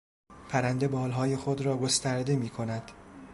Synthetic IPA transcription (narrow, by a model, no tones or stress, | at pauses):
pʰæɾænd̪e̞bɒːlɦɒːje̞xod̪ɾɒːɡo̞st̪æɾd̪e̞miːkʰo̞næd̪̥